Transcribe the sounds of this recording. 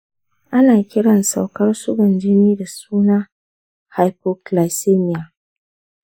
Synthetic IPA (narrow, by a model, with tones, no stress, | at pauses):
ʔa˦naː˨kʲɪ˦ɽɐ˨nsa˨wkɐ˦rsʊ˦ɡɔ˨nd͡ʒɪ˦niː˦da˨suː˦naː˦ | ha˨jpo˨kla˨seː˦mɪ˨ja˨